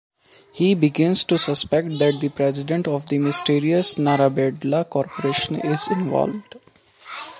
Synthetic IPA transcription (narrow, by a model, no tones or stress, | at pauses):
hiːbɪɡɪ̃nzʈusəspɛkʈ̚d̪æʈ̚d̪ipɾɛzɪɖẽɳʈɔʋd̪imɪsʈiːɾiəsnaɾabeɖlakɔːɾpoɾeːʃə̃nɪzɪ̃nʋɔ̰ːlʋɖ